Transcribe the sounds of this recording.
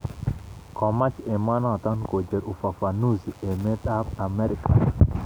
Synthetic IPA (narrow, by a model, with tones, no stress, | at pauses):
kɔ˨ma˦t͡ʃe˨ma˦nɔ˦˨t̪ɔ˦nko˨d͡ʒe˨ɾu˨fa˨fa˨nu˦ze˨me˦t̪a˦pa˨mɛ˦ɾɪ˨ka˨